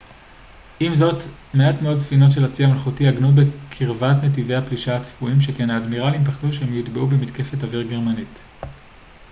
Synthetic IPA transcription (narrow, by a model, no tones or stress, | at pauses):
ʔimzo̞tmeatmeo̞dsfino̞tʃe̞lat͡siamalχutiaɡnutbe̞kʰiʁvatnet̬ivejhapliʃahat͡sfuimʃekenaːdmiʁalimpaχtuʃehemjitbeʔubemitke̞fe̞taviʁɡe̞ʁmanit